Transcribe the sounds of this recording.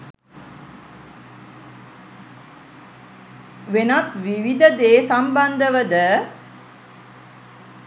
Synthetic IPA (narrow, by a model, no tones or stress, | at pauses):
ʋenat̪ʋiʋid̪əd̪eːsamband̪əʋəd̪ə